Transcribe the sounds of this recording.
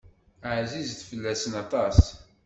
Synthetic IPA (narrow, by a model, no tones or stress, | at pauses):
əʕzizθfəlːæsənɑt̪ˤɑs